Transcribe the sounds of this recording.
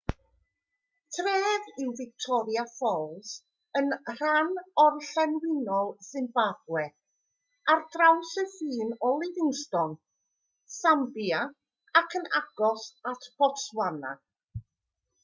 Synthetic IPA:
tʰreːvɪwvɪk̚tʰɔɾjafɔlˠs | ənr̥anɔrɬɛnwɪnɔlˠsɪnbaɡ̥wɛ | ardrawsɛfiːnɔlˠɪvɪŋstɔn | sambja | akʰəna̰ɡ̥ɔsatʰb̥ɔswana̰

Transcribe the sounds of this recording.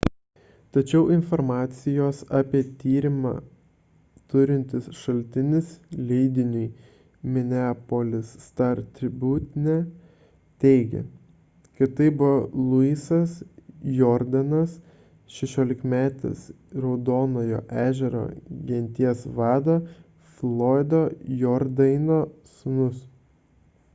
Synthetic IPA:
t̪ɐt͡ʃʲɛʊʔɪnfɔɾmɑːt̪sʲɪjoːsɑːpʲiɛt̪ʲiːɾʲɪmɑ̰ː | t̪ʊɾʲɪnʲt̪ʲɪsʃɐlʲt̪ʲɪnʲɪslʲɛɪd̪ʲɪnʲʊj | mʲɪnʲæːpolʲɪsːt̪ɐɾt̪ʲɾʲɪbʲuːt̪ʲnʲɛ | t̪ʲɛɪɡʲɛ̰ | kɐt̪ɐɪbʊʋolˠʊisɐsjɔːɾd̪ɐnɐs | ʃʲɛʃʲoːlʲɪkmʲæːt̪ʲɪ̰s | ɾɐʊd̪oːnoːjo̰ːʔæːʒʲɛɾo̰ːɡʲɛnʲt̪ʲiɛsʋɑːd̪oː | fʲlˠoːɪd̪oːjɔɾd̪ɐɪnoːsʊnʊs

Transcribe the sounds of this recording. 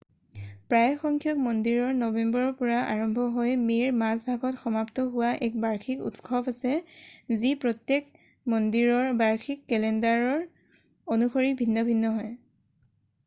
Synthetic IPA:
pɹajxɔŋkʰjɔk̚mɔndiɹɔɹnɔbɛmbɔɹɔpʊɹaʔa̰ɹɔmbʱɔɦojmeɹmasbʱaɡɔtxɔmaptɔɦʊwaʔɛk̚baɹxʰikṵtkʰɔbasɛzipɹɔtjek | mɔndiɹɔɹbaɹxʰikːɛlɛndaɹɔɹ | onuxoɹibʱinːɔbʱinːɔɦɔj

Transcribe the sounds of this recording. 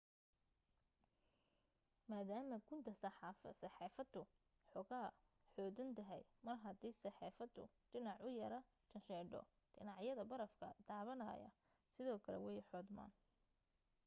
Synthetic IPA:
maːðaːmɐɡʊnt̪ʰɐsɐħɑfsɐħiːfɐd̪ʊ | ħɔɣaː | ħɔːd̪ʊnt̪ʰɐɦɛ̰jmɐrɦɐd̪iːsɑħiːfɐd̪ːʊ̰ | ɖ̥ɪnɑʕʊjɐɾɐ | t͡ʃɐnʃɛːɖɔ̰ | ɖ̥ɪnɑʕjɐðɐbɐɾɐfkʰɐd̪̥aːβɐnɐ̰ːjɐ̰ | sɪðɔːkʰɐlɛ̰wɛjħɔːd̪ma̰ːn

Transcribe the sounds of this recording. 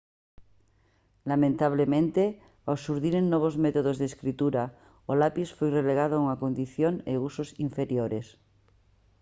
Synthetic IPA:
lamẽnt̪aβ̞lemẽnt̪e | awsuɾðiɾeŋnoβ̞ozmet̪oð̞ozðeskɾit̪uɾa | olapisfojreleɣað̞ouŋakond̪iθjoneusosiɱfeɾjoɾes

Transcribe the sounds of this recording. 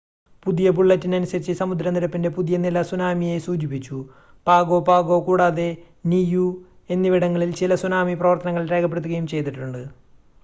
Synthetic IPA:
puðijɐpuɭːɐtːinɐnusɐɾit͡ɕːɨsɐmud̪ɾɐniɾɐpːinde̞puðijɐnilɐsunaːmije̞suːd͡ʑipːit͡ɕːu | paːɡoːpaːɡo̞ːkuːɽaːðe̞ | niju | e̞nːiʋiɽɐŋːɐɭilt͡ɕilɐsunaːmiprɐʋɐrt̪ːɐnɐŋːɐɭɾe̞ːkɐp̬ːeɽt̪ːuɣɐjumt͡ɕe̞jt̪̬iʈːuɳɖɨ

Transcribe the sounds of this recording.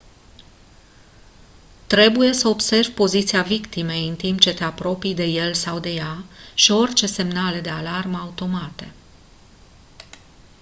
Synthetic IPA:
t̪ɾe̞buje̞səo̞bse̞rvʲpo̞zit̪siavikt̪ime̞jɨnt̪imp̚t͡ʃe̞t̪e̞apɾo̞pijd̪e̞je̞lsawd̪e̞jaʃio̞rʲt͡ʃe̞se̞mnale̞d̪e̞alarməaut̪o̞mat̪e̞

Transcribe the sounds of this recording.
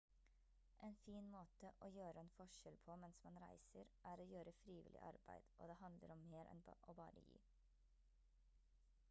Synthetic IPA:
ʔeːnfiːnmoːt̪əʔoːjøːɾəɛːnfɔʃɛlpʰoːmɛnsmɑnɾæ̰ɪsəɾʔæːɾoːjøːɾəfɾiːʋɪ̰lʔɪ̰ʔɑ̰ɾbæɪd̪̥ʔo̰ːd̪eːhɑnd̪lə̰ɾɔmːeːɾʔɛ̰nʔoːbɑːɾə̰jḭː

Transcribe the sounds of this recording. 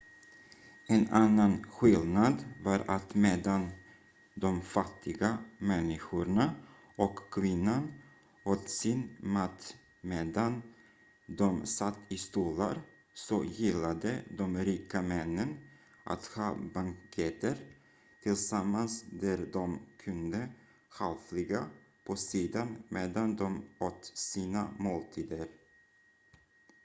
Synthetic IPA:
ɛnanːanɧɪlnad̪vɑːɾat̪meːd̪an | d̪ɔmfat̪ʰːɪɡamɛnːɪɧʊɳa | ɔkʰːvɪnːan | ɔt̪sɪnmat̪ː | meːd̪an | d̪ɔmsat̪ːɪst̪uːla̰ɾ | sɔjɪlːad̪əd̪ɔmɾiːkamɛnːən | ʔa̰t̪hɑːbaŋkʰɛt̪əɾ | t̪ʰɪlsamːansd̪æɾd̪ɔmkʰɵnd̪ə | halflɪɡa | pʰɔsiːd̪anmeːd̪and̪ɔmɔt̪siːna̰moːlt̪ʰiːd̪əɾ

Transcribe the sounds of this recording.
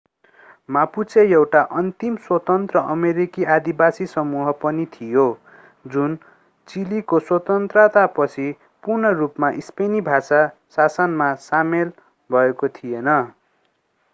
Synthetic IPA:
maput͡sʰejewʈaʔʌnt̪imswʌt̪ʌnt̪rʌʔʌmeɾikiʔad̪ibasisʌmuɦʌpʌnit̪ʰijo | d͡zun | t͡silikoswʌt̪ʌnt̪rʌt̪apʌt͡sʰi | purnʌrupmaʔispenibʱasasasʌnmasamel | bʱʌekot̪ʰijenʌ

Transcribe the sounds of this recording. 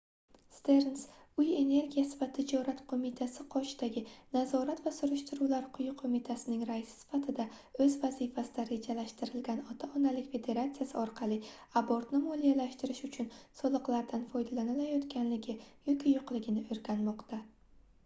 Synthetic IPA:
st̪e̞ɾns | ʊje̞ne̞ɾɡʲijasɪvat̪ʰɪd͡ʒɒɾat̪qʰomɪt̪ʰasɪqʰɒʃd̪aɡʲɪnazɒɾat̪vasʊɾɪʃt̪ɪɾuwlaɾqʰʊjʊqʰomɪt̪ʰasɪnɪŋɾasɪ̥sɪ̥fat̪ʰɪd̪aɵzvazifasɪd̪aɾe̞d͡ʒalaʃt̪ɪɾɪlɡʲanɒt̪ʰaɒnalɪkʲfe̞d̪e̞ɾat̪sijasɪɒɾqʰɑlˠɪaboɾt̪nɪmolijalaʃt̪ɪɾɪʃʊt͡ʃʰʊnsɒlˠɨqlˠaɾd̪anfɒjd̪alanɪlajɒt̪kʲʰanlɪɡʲɪjɒkʲɪjʊqlˠɪɡʲɪnɪɵɾɡʲanmɒqt̪ʰa

